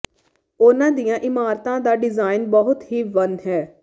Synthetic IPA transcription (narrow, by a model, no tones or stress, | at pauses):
ʊnãːd̪ijãːʔɪmaːɾt̪ãːd̪aːɖɪzaːɪnbəɦʊt̪ɦiːʋənɦɛː